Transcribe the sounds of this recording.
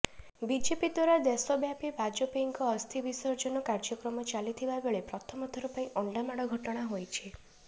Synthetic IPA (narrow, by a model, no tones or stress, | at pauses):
bid͡ʒepid̪waɾad̪esɔbjapibʱad͡ʒopiŋkɔːst̪ʰibisɔɾd͡ʒɔnɔkaɾd͡ʒɔkɾɔmɔt͡ʃalit̪ʰibabeɭepɾɔt̪ʰɔmɔt̪ʰɔɾupaĩʔɔɳɖamaɽɔɡʱɔʈɔɽ̃aɦojt͡ʃʰi